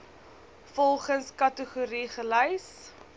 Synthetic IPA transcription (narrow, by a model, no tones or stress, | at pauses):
fɔlˠχənskɐtəχuɾiχəlɛjs